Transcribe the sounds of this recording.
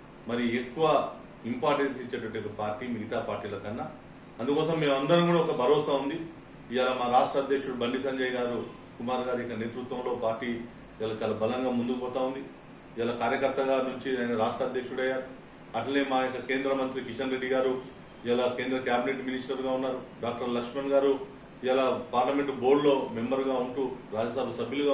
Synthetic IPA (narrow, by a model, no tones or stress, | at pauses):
mɐɾiekːuʋɐ | impaːɾʈensit͡ʃːeːʈɐʋɐʈːijokɐpaːɾʈiːmiɡɐt̪aːpaːɾʈiːlɐkɐnːɐ | ɐnd̪ukɔːsɐmːe̞ːmɐnd̪ɐɾɐkuːɽɐɔkɐbʱɐɾɔːsaund̪i | iʋaːlɐmaːɾaːʂʈɾɐd̪jekʂuɽubɐɳɖis̬ɐɲd͡ʒɐjɡaːɾu | kumaːɾɡaːɾuikːɐne̞ːt̪ɾut̪ːʋɐmlo̞ːpaːɾʈiː | ʋaːlat͡ʃaːlaːbɐlɐŋɡaːmund̪ukupɔːt̪aːund̪i | iʋaːlɐkaːɾjɐkɐɾt̪ɐɡaːnuɲt͡ʃiaːjnɐɾaːʂʈɾɐːd̪jekʂuɽɐjːaːɾu | ɐʈlɐneːmaːjokːɐke̞ːnd̪ɾɐmɐnt̪ɾikit͡ʃɐnɾeɖːiɡaːɾu | iʋaːlɐke̞ːnd̪ɾɐkjaːbine̞ʈminisʈɐɾɡaːunːaːɾuɖaːk̚ʈɐɾlɐkʂmɐnɡaːɾu | iʋaːlɐpaːɾlɐme̞ɳʈubo̞ːɽlo̞ːme̞mbɐɾɡaːuɳʈuːɾaːd͡ʒɐsɐbʱɐsɐbʱjuluɡa